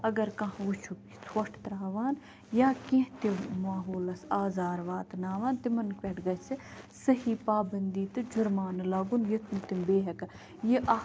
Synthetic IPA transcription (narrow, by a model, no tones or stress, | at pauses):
ɐɡɐɾkɐɦut͡ʃʰuki̥swɐʂʈʰt̪ɾaːʋaːn | jaːkẽɦt̪emaːɦoːlɐsaːzaːɾʋaːt̪naːʋaːnt̪ɪmɐnkʋʲeʈʰɡɐsʰɪsɐɦiːpaːbɐnd̪iːt̪ɨd͡ʒuɾmaːnɨlaːɡunjet̪ʰunt̪ɪmbeːɦɐkɐ | jeʔɐ